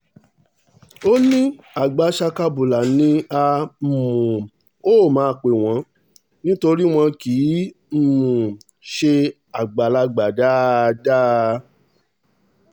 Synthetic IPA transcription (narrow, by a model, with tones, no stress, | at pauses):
o˦nĩ˦ | a˨ɡ͡ba˨˦ʃa˧ka˧bu˨la˨nĩ˧˦a˧˨mũ˨ | o˦˨mã˨˦˧k͡pe˨w̃ɔ̃˨˧˦ | nĩ˦to˧ɾi˦w̃ɔ̃˧kiː˨˦ | m̩˦mũ˨ | ʃe˧ | a˨ɡ͡ba˨la˧ɡ͡ba˨da˦da˦